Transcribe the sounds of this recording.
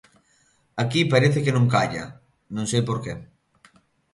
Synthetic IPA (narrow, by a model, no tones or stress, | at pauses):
akipaɾeθekenõŋkaʎɐ̰ | nõŋsejpoɾke